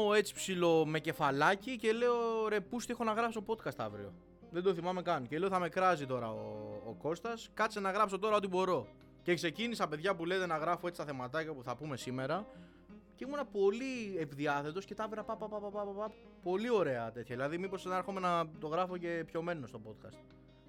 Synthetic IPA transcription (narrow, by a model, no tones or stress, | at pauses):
e̞t͡si̥psilo̞me̞ce̞fɐlɐcice̞le̞oɾepust̪iexonɐɣɾɐpsot̪opo̞t̪kɐst̪ɐ̰vɾio̞̰ | ðe̞d̪o̞θimɐme̞kɐncele̞oθɐme̞kɾɐzit̪o̞ɾɐo̰ːko̞st̪ɐskɐsenɐɣɾɐpso̞t̪o̞ɾɐo̞t̪̬ibo̞ɾo̞ | ce̞kse̞cinisɐpeðʝɐpule̞t̪e̞nɐɣɾɐfo̞et͡si̥st̪ɐθe̞mɐt̪ɐcɐpuθɐpume̞simeɾɐ | ceimunɐpo̞lievðiɐθe̞t̪o̞sce̞t̪ɐvɾɐpɐpɐpɐpɐpɐpɐpɐ | po̞lio̞ɾe̞ɐt̪e̞t̪çɐðilɐðimipo̞senɐe̞ɾxome̞nɐt̪o̞ɣɾɐfoce̞pço̞me̞no̞st̪o̞po̞t̪̚kɐ̰st̪̚